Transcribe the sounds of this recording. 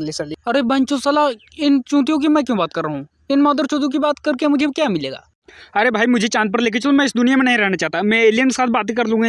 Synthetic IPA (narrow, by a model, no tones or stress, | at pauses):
lisɐlɐɾebɐ̃ɲt͡ʃosɐla | ɪnt͡ʃũːt̪̬ijõk̬imɛ̃ːkjõːbaːt̪̚kɐɾːɐɦũː | ɪnmɔːd̪əɾt͡ʃũːt̪ijõk̬ibaːt̪kɐɾkemʊd͡ʒʱekjaːmɪleːɡa̰ː | ɐɾebʱaːimʊd͡ʒʱet͡ʃãːnt̪̚pɐɾleːk̬et͡ʃɐlomɛ̃ɪsd̪ʊnijamẽnɐɦĩɾɛɦnat͡ʃaːɦt̪amɛ̃eːlijənksaːt̪̚ʰbaːt̪̬ikɐɾlũːɡa